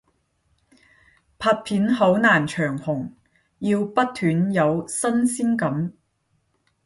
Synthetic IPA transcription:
pʰaː˧t̚pʰiː˨˥nɦo˨˥wnaː˨˩nt͡ʃʰœː˨˩ŋhʊ˨˩ŋ | jiː˧wpɐ˥t̚t̪ʰyː˨˥njɐ˨˧wsɐ˥nsiː˥nkɐ˨˥m

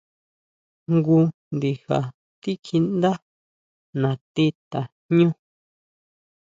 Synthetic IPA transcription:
ŋɡu˧nd̪i˧ha̰˨ | t̪i˦kʰi˧nd̪a˦ | nã˨t̪i˦t̪a˨ | ɲũ˦

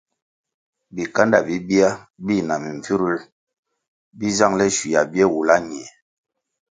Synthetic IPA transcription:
bi˨ka˦nda˨bi˦bi˦a˦ | bi˦˨na˨mi˨ɱ˨fi˦ɾu˦l | bi˦za˦˨ŋlɛ˦ʃi˨ja˨bɛ˦wu˨la˦ɲ˨ɛ˨

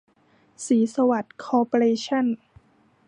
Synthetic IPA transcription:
siː˩˦sa˧wa˨˩t̪̚kʰɔː˧po˧ɾeː˧t͡ɕʰa˥˩n

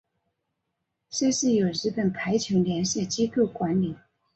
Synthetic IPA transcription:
ɕɛ˥˧ʂɻ̩˥˩jo˨˩ʊɻɻ̩˥pə˨˩npʰa˧˥ɪt͡ɕʰjʊ˧˥ŋljɛ˧˥nɕjɛ˥˩t͡ɕi˥kɤ˥˩kwa˧˥nli˨˩˦

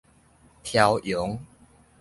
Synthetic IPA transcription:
t̪ʰja˨˧wjʊ˨˦ŋ

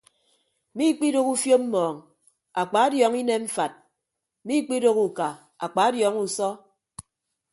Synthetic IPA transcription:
mi˦k͡pi˦ɾo˦ku˦fjo˦m̩˦mɔː˨ŋ | a˨k͡pa˨˦a˦djɔː˨˦ŋi˦ne˦m̩˦fa˨t̚ | mi˦k͡pi˦ɾo˦ku˨ka˨ | a̰˨k͡pa˨˦djɔ˨˦ŋu˨sɔ˦

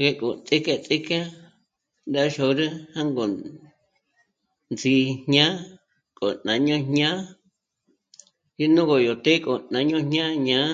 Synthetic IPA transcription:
ɣe˧kʼo˨t͡sʼi˦ka˧t͡sʼi˦ka˦ | nd̪a˦ʃo˧ɾɨ˦hã˦ŋɡo˨ | nd͡zi˧hɲã˦ | kʼo̰˨nã˨ɲõ˦ɲɲã˦ | ji˦nũ˦ɣo˨jo˨t̪e˦kʼo˨nã˨˧ɲõ˦ɲɲã˦ɲã˦

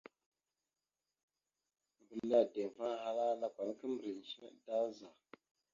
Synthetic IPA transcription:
m̩˨bə˨la˨tɛ˨ɱ˨fa˦ha˦laː˦la˦kwa˨n˦kə˦mɾə˨n̩˨ʃi˦ɛ̰˦ʔta˦za˨

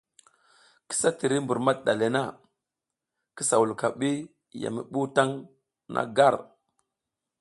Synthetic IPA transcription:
ki̥˦sa˦ti˨ɾi˦mbu˨ɾma˦t̚ɗa˨le˨na˦˨ | ki˦sa˨wu˨lka˨ɓi˦ | ja̰˨mḭ˨ɓu˦ta˦ŋ | nʔa̰˦ɡa˦˨ɾ

